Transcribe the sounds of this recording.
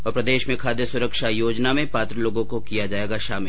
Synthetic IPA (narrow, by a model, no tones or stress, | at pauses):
ɔːɾpɾɐd̪eːʃmẽkʰaːd̪jəsʊɾəkʃajoːd͡ʒnamẽpaːt̪ɾəloːɡõkokijad͡ʒaːeːɡaʃaːmɪl